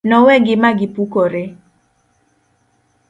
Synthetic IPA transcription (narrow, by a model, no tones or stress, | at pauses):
nɔwɛɡɪmaɡɪpukɔɾe